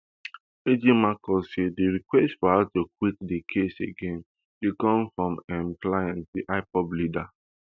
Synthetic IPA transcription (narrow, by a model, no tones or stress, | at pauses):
ed͡ʒimakɔsediɹikwɛstfɔhaʊtukwit̚dekʰeseɡẽn | tukɔ̃mfɹɔ̃mɛ̃mklajãnsdiʔaɪpɔblida